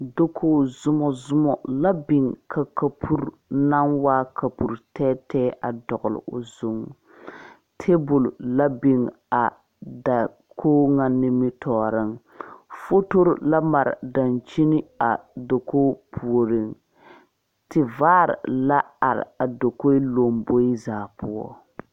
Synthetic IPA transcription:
do˦kʰo˦zʊ˦mɔ˨zʊ˦mɔ˨la˦bɪ˨ŋkʰa˨ka˨pʰu˦ɾ | na˦ŋwaː˦kʰa˨pu˨ɾtʰɛː˦tɛː˦ʔa̰˨dɔ˨ɣʊ˨lɪ̰˨ʊ̰˨zu˦ŋ | tʰe˦bʊ˨lla˦bi˨ŋ | a˨ | da˨ | kʰoː˦ŋa˨nɪ˦mɪ˦tʰɔː˨˦ɾɪ˦ŋ | fo˦to˦ɾla˦ma˨ɾ̰da˨nt͡ʃi˦nɪ˦a˨do˨ko˦pʰu˨o˨ɾɪ˦˨ŋ | tɪ˨vaː˦ɾ̰la˦a˨ɾɪ̰˨a˨do˨ko˦lo˨mbo˦i˦zaː˨pʊ˦ɔ̰˦

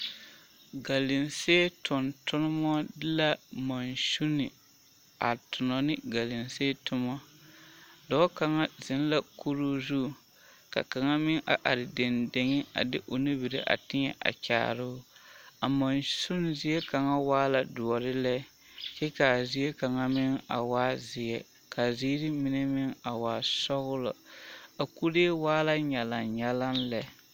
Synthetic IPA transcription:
ɡa˨lɪ˨nseː˦tʰʊ˨ntʰʊ˦nɪ˦mɔ˦dɪ˦la˦ma˨nsu˦nɪ˨ | a̰˨tʊ˨nɔ˨nɪ˦ɡa˨lɪ˨nseː˦tʊ˦mɔ˦ | dɔ˦ka˨ŋa˦zɪ˨˦n˦la˦kʰu˦ɾu˦zu˦˨ | ka̰˨ka˨ŋa˦mɪ˦ŋʔa̰˨ʔa˨ɾɪ˨de˨nde˨ŋɪ˦a̰˨dɪ˦ʔo˨ni˦bi˨ɾḛ˨ʔa̰˨tɪ˦ɲɛ˨ʔa̰˨t͡ʃa̰ː˨ɾʊ˦a˨mɔ˨nsʊ˦nzɪ˦ɛ˦ka˨ŋa˦waː˦la˨dʊ˨ɔ˨ɾɪ˦lɛ˦ | t͡ʃɛ˦ka˨zɪ˦jɛ˦ka˨ŋa˦mɪ˦ŋa̰˨waː˦zɪ˨ɛ˨ | kʰa˨ziː˦ɾɪ˦mɪ˦nɛ˦mɪ˦ŋa˨waː˨sɔ˦ɣʊ˦lɔ˨a˨ku˦ɾe˦waː˦la˦ɲɛ˨la˨ɲɛ˦la˦mlɛ˨

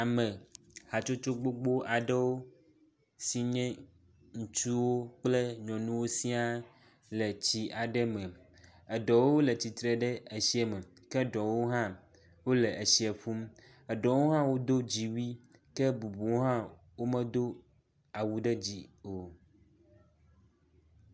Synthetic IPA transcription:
a˨mɛ̃˨ | ha˨t͡ʃo˦t͡ʃo˦ɡ͡bo˦ɡ͡bo˦ʔa˨ɖə˦wo˦ | si˨ɲɛ̃˦ | ŋũ˨t͡ʃu˦wo˦k͡ple˦ɲɔ̃˨nũ˦wo˦si˦a˦ | lɛ˨t͡ɕi˦ʔa˨ɖɛ˦mɛ̃˨ | ɛ˨ɖɔ˨wo˦wo˦le˨t͡ɕi˨t̪ɾe˨ɖɛ˦e˨si˦ɛ˨mɛ̃˨ | kɛ˦ɖɔ˨wo˦ɦã˦ | wo˦lɛ˨e˨si˦ɛ˨ɸu˦m | ɛ˨ɖɔ˨wo˦ɦã˦wo˦d̪o˦d͡ʑi˨wi˦ | kɛ˦bu˨bu˨o˦ɦã˦ | wo˦mɛ̃˦d̪o˦ | a˨wu˨ɖɛ˦d͡ʑi˦o˨

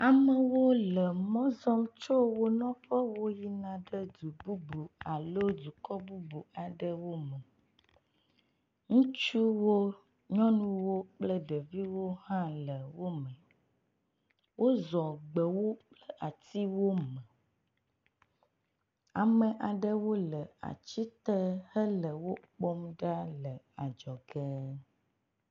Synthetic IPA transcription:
a˨mə̃˨wo˦lə˨mɔ̃˦zɔ˦mt͡ʃo˦wo˦nɔ̃˦ɸə˦wo˦ji˦nã˨ɖə˦d̪u˨bu˦bu˨a˨lo˦du˨kɔ˦bu˦bu˨a˨ɖə˦wo˦mə˨ | ŋũ˦t͡ʃu˦wo˦ | ɲɔ̃˦nũ˦wo˦k͡plə˦ɖə˨vi˦wo˦hã˦lə˨wo˦mə̃˨ | wʔo˦zɔ˨ɡ͡bə˨wo˦k͡plə˦ʔa˨t̪i˦wo˦mə̃˨ | a˨mə̃˨ʔa˨ɖə˦wo˦lə˨a̰˨t͡ɕi˦t̪ə˦hə˦lə˨wo˦k͡po˦mɖa˦lə˨ | a˨d͡ʒɔ˨ɡɛ˦

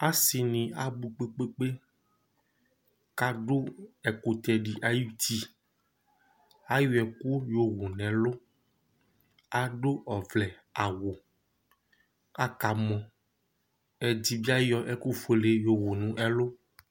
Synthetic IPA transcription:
a˦si˨nĩ˨a˨bu˨k͡pe˦k͡pe˦k͡pe˦ | ka˦ɖo˦ɛ˨ko˨t̪ɛ˨ɖi˨ʔa˦ju˦t̪i˦ | a˦ju˦ɛ˨ku˦jo˦wo˨nɛ̃˨lo˦ | a˨ɖo˦ʔɔ˨vlɛ˨ | a˨wo˨ | a˦ka˨mɔ̃˨ | ɛ˨d͡ʑi˦bi˦a˦jɔ˦ʔɛ˦ku˦fe˨le˨jo˨wo˨nũ˦ʔɛ˦lo˦

